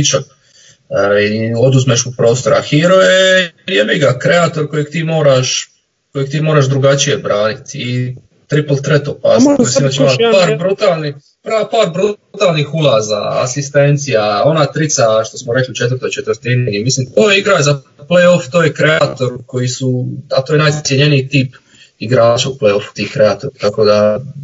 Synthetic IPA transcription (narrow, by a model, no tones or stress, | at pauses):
it͡ʃa | io̞d̪uzmeʃupɾo̞ːst̪o̞ɾa̰xiɾo̞jejemiɡakɾeaːt̪o̞ɾko̞jeɡ̚t̪iːmo̞ːɾaʃ | ko̞jeɡ̚t̪iːmo̞ːɾaʒd̪ɾuɡat͡ʃije̞bɾaːnit̪i | t̪ɾipl̩t̪ɾet̪opa̰sinat͡ʃiaaːɾbɾut̪aːlˠni | pɾapaːɾbɾut̪aːlˠnixulaːza̰a̰sist̪e̞nt̪sijao̞naːt̪ɾit̪saʃt̪o̞smoɾe̞kliut͡ʃet̪ʋəɾt̪o̞jt͡ʃe̞t̪ʋəɾt̪iniimislimt̪oːjeiɡɾaza | plejo̞ft̪oːjekɾe̞at̪o̞ɾko̞jisuat̪oːjenaj̪sjeɲe̞niit̪iːp | iɡɾaːt͡ʃauplejo̞fu̥t̪iːhkɾeaːt̪oɾt̪ako̞d̪a